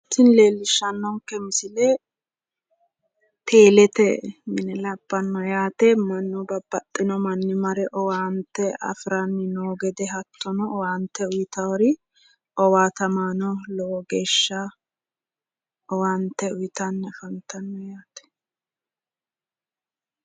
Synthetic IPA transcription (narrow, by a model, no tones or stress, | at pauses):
sɪnle̞ːlːɪʃːɐnːɔŋkːɛmɪsɪlɛ | t̪ʰe̞ːlɛt̪ɛmɪnɛlɐbːɐnːɔjaːt̪ɛmɐnːɔbɐbɐt̪ʼːɪnɔmɐnːɪmɐɾɛʔɔwaːnt̪ːɛɐ̰fɾanːɪnoːɡɛd̪ɛɦɐt̪ːɔnɔɔwaːnt̪ːɛʊjɪt̪ɐwɐɾɪ | ɔwaːt̪ɐmaːnɔlɔwɔɡe̞ːʃːa | ɔwaːnt̪ːɛʊjɪt̪ɐnːɛfɐnt̪ɐnːɔjaːt̪ɛ̥